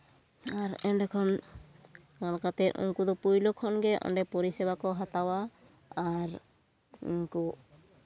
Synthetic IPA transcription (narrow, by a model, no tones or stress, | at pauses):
aɾɛnɖɛkʰɔn | kankat̪ɛʔṵŋkud̪ɔpujlɔkʰɔnɡɛʔɔ̰ɳɖɛpɔɾisɛbakɔɦat̪awa | aɾ | ṵŋku